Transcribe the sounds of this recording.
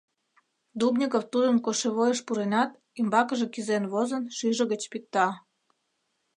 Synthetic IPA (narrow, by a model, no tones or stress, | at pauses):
d̪ubnʲikoft̪ud̪ənkoʃeβojəʃpuɾenɑt̪ | imbɑkə̆ʒekizenβozənʃyʒə̆ɣət͡ɕpik̚t̪ɑ